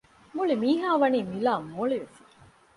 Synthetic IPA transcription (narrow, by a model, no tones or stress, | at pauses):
muɭimiːɦaːʋɐniːmilaːmoːɭiʋesi̥